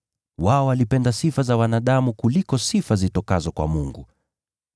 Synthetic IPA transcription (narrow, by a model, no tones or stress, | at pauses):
waɔalipɛndasifazawanaɗamukulikɔsifazitɔkazɔkwa̰muŋɡu